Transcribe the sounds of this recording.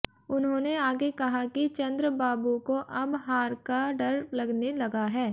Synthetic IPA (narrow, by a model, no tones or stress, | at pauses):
ʊnɦõːneaːɡekɐɦakit͡ʃɐ̃nd̪ɾəbaːbukoʔɐbɦaːɾkaɖɐɾlɐɡnelɐɡaɦɛː